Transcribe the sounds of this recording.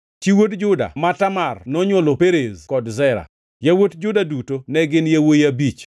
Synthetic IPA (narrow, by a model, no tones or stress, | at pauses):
t͡ʃiwotd͡ʒʊda̰matamarnɔɲwolopeɾezkɔdzɛɾa̰ | jawotd͡ʒʊdadutonɛɡɪnjawojabit͡ʃ